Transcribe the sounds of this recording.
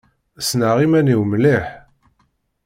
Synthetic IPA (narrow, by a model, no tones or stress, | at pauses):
snəʁimæniwmliħ